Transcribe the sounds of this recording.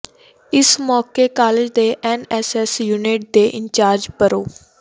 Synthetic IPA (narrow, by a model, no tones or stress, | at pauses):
ɪsmɔːkeːkaːlɪd͡ʒd̪eːʔɛːnɛːsɛːsjuːniːʈ̚d̪eːʔɪɲt͡ʃaːɾd͡ʒpəɾoː